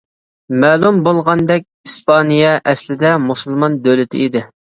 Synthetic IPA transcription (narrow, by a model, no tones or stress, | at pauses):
mɛːlˠumbolˠʁɑnd̪ɛk̚ʲispɑnijɛʔɛslɪd̪ɛmusɨlˠmɑnd̪ølɪt̪ʰɪ̰id̪ɪ